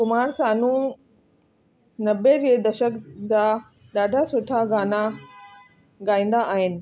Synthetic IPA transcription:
kʊmaːɾsaːnũ | nɐbed͡ʑeːd̪ɐʃəkd͡ʑaː | ɗaːɖʱasʊʈʰaɡaːna | ɡaːĩːn̆d̪aʔaːɦɪnɪ̆

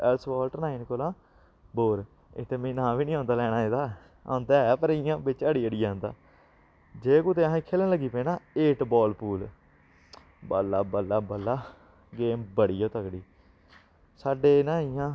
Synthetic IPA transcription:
ɛlsbaːlʈnaːinkoːlãː | boːɾ | ɪ̰t̪ʰeːm̃ːnãːʋiːnĩːõːnd̪aːlɛːɽãːeːd̪aː | a̰ːnd̪aːɛːpəɾɪjãːbɪt͡ʃaːɽiːəɽiːãːnd̪a̰ː | d͡ʒeːkʊt̪ẽːãɦĩːkʰeːlə̃ləɡiːpẽːnãːeːʈbɔːlpuːl | bəlːaːbəlːaːbəlːaː | ɡeːmbəɽiːoːt̪əkɽiː | saːɖeːnãːɪjãː

